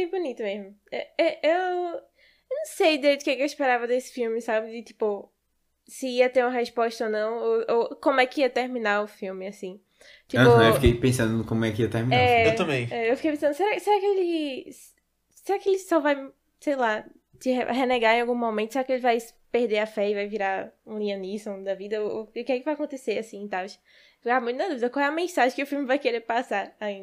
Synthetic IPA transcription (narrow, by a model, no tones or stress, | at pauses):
ẽbunit̪ʊmezmʊɛɛʔew | nɐ̃w̃sejd̪ed̪ʊkekewɪʃpeɾavɐd̪esɪ̥fiwmɪsabɪd͡ʒɪt̪i̥pʊ | sɪiɐt̪eɾũmɐɦeʃpɔʃt̪ɐonɐ̃w̃oʔokõmʊɛkɪiɐt̪eɾmĩnaɾʊfiwmɪasĩ | t̪inpʊɐ̃ewfikejpẽsɐ̃nd̪ʊ̃kõmʊɛkɪiɐt̪eɾminaɛewt̪ɐ̃mbẽj̃ɛewfikejpẽsɐ̃nd̪ʊseɾakɪseɾakɪelɪ | seɾakɪelɪsɔvaj | sejla | t͡ʃɪ̰heneɡaɾẽawɡũmomẽt̪ʊseɾakɪelɪvajpeɾd̪eɾɐfɛɪvajviɾaɾũlĩɐ̃nisõd̪ɐvid̪ɐookɛkɪvajakõnt̪eseɾasĩẽt̪avɪʃ | ɡamũt̪ʊnɐd̪uvid̪ɐkwawɛɐmẽsaʒẽkɪʊfiwmɪvajkeɾeɾpasaɾaĩd̪